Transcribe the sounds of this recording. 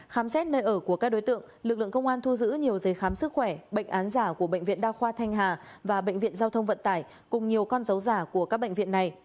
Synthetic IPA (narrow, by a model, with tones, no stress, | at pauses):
xaː˨˦msɛ˦˥t̚nəː˧jʔəː˧˩ku˧˩əkaː˦˥k̚ɗo˨˦jt̪ɨ̰˧˨əŋlɨ˨˩lɨ̰˧˨ə˨ŋkə˧wŋ͡mʔaː˧nt̪ʰu˧zɨ̰˧˥ɲi˨˩əwzəː˨˦jxaː˨˦msɨ˦˥k̚xwɛ˧˩ɓə̰˧˨ŋʔaː˨˦nzaː˧˩ku˧˩əɓə̰˧˨jŋ̟vḭ˧˨ənɗaː˧wxwaː˧t̪ʰa˧jŋ̟ɦaː˨˩vaː˨˩ɓə̰˧˨jŋ̟vḭ˧˨ənzaː˧wt̪ʰə˧wŋ͡mvə̰˧˨nt̪aː˧˩j | kʊ˨˩ŋ͡mɲi˨˩əwkɔ˧nzə˨˦wzaː˧˩ku˧˩əkaː˦˥k̚ɓə̰˧˨ŋ̟vḭ˧˨əna˨˩j